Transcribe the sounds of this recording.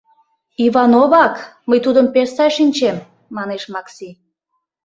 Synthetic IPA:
iβɑnoβɑkməjt̪ud̪əmpersɑʃinʲt͡ɕemː | ɑneʃmɑksi

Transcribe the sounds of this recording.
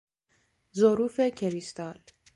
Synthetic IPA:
zoɾuːfecʰeɾist̪ɒːl

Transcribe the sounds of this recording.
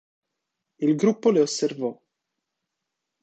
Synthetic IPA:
ilɡɾupːoleosːervɔ

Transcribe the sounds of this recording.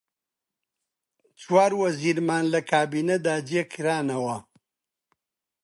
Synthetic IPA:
t͡ʃwaːɾwɐziːɾmaːnlɐkaːbined̪aːd͡ʒjekʰiɾaːnɐwɐ

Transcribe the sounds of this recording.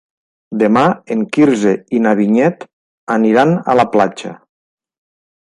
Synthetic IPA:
d̪emaeŋkiɾzeinaβiɲɛt̪ | aniɾana̰laplat͡ʃa̰

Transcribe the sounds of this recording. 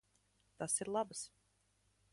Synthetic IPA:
t̪asiɾlˠabs

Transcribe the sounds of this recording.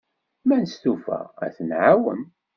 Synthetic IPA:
mænst̪ufæ̰æ̰θənʕawə̰m

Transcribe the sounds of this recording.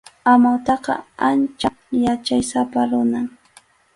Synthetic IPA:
amawt̪ɑqɑ̰ant͡ʃa | jat͡ʃajsapaɾʊnaŋ

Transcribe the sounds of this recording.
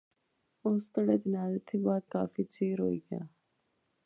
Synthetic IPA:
ʊst̪əɽed͡ʒənaːzət̪ʰːibaːd̪kaːfit͡ʃeːɾɦo̰ːiːɡja̰ː

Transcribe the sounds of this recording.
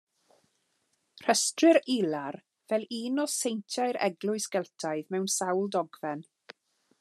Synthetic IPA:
r̥əstrɪɾilar | vɛlˠiːnɔsejntʰjaɨɾɛ̰ɡlˠʊɨsɡ̥ɛlˠtʰaɨðmɛwnsawlˠdɔɡvɛn

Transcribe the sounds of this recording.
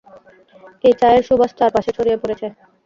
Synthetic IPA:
et͡ɕaeɾʃubʱaʃt̪aɾpaʃet͡ɕʰoɾijepoɾet͡ɕʰe

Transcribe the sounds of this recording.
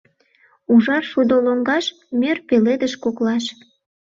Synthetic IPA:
uʒɑrʃud̪oloŋɡɑʃ | mʲørpeled̪əʃkoklɑʃ

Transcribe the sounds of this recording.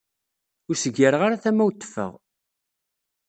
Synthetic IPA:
ʊɾsəɡəɾʁaɾaθæmæwt̪ːə̥fə̰ʁ

